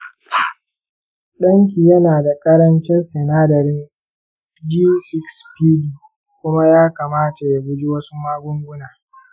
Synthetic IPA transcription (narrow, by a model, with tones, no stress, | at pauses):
ɗɐ˦ŋk̬ʲi˨jɐ˦naː˨da˨kʼɐ˦ɾɐ˦nt͡ʃɪ˦nsɛ˨naː˦dɐ˨ɾɪ˦n | d͡ʒi˦sɪ˦kspiː˦diː˨ | kʷʊ˦ma˦jaː˦kaː˨maː˦ta˨ja˨ɡʷʊ˦d͡ʒi˦wɐ˦su˦maː˦ɡʷʊ˦ŋɡʷʊ˦naː˨